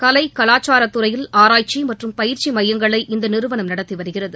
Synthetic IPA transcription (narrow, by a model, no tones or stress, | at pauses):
kɐlɐɪkɐlaːt͡ʃaːɾɐt̪ːɯɾɐjɪlaːɾaːjt͡ʃːimɐʈrɯmpɐjɪɾt͡ʃimɐjːɐŋɡɐɭɐɪʔɪnd̪ɐnɪɾɯʋɐnɐmnɐɽɐt̪ːiʋɐɾɯɣɪrɐðɯ